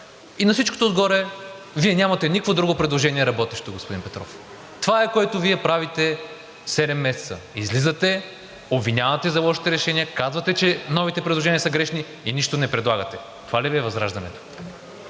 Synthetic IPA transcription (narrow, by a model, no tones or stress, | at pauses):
inɐfsit͡ʃkot̪oːd̪ɡɔɾɛ | viɛnʲamɐt̪ɛnikkvod̪ɾuɡopɾɛd̪lˠoʒɛniɛɾɐbɔt̪ɛʃt̪oɡospʊd̪inpɛt̪ɾɔ̰f | t̪ovaɛkoɛt̪oviɛpɾavit̪ɛ | sɛd̪ɛmːɛsɛ̥t̪sə̰izlizət̪ɛ | obvinʲavɐt̪ɛzɐvaʃi̥t̪ɛɾɛʃɛnijəkazvɐt̪ɛt͡ʃɛnɔvit̪ɛpɾɛd̪lˠoʒɛniəsəɡɾɛʃni | iniʃt̪onɛpɾɛd̪lˠaɡɐt̪ɛ | t̪ovaliviɛvɐzɾaʒd̪ɐnɛ̰t̪o̥